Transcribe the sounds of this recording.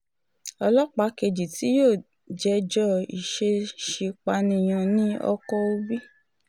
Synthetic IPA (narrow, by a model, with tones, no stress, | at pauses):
ɔ˧lɔ˦k͡pa˨˦ke˧d͡ʒi˨ti˨˦joː˦˨ | d͡ʒɛ˨˦d͡ʒɔ˦i˨ʃe˧ʃi˧k͡pa˧˦nĩ˧˨j̃ɔ̃˧nĩ˦ɔ̰˧kɔ˧o˦bi˦